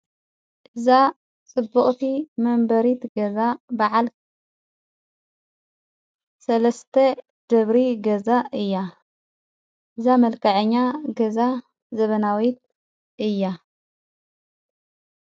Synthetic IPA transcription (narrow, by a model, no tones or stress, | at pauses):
ʔɨza | t͡sʼɨbːuχʼt̪ʰimɐmbɐɾit̪ɡɐzabaʕal | sɐlɐst̪ʰɐ | d̪̥ɐβɾiɡɐzaʔɨjːa | ʔɨzamɐlkʰɐʕɨɲːaɡɐza | zɐβɐnawit̪̚ | ʔɨjːa